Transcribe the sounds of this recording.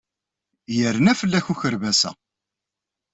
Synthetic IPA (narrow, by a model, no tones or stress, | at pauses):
jəɾnæfəlːæçuçəɾvæsæ̰